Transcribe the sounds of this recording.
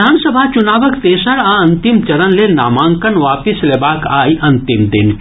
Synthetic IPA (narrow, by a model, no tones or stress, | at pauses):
aːnsəbʱat͡ʃʊnaːʋəkt̪eːsəɽãɐ̃nt̪ɪmt͡ʃɐɾənlena̰ːmãːŋkənʋaːpɪslebaːkaːiʔɐ̃nt̪ɪmd̪ɪn